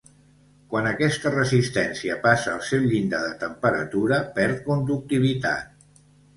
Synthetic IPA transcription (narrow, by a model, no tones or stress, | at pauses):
kwanəkɛst̪ərəzist̪ɛnsiəpasəːlˠsɛwʎind̪aðət̪əmpəɾə̰t̪uɾəpɛɾt̪̚kund̪uk̚t̪iβ̞it̪a̰t̪̚